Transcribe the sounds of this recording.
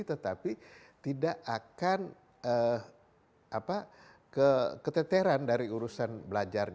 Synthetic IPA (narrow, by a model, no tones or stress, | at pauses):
t̪ət̪api | t̪idaʔakan | ə | ʔapa | kəkət̪ət̪eɾandaɾiuɾusanbəlad͡ʒarɲ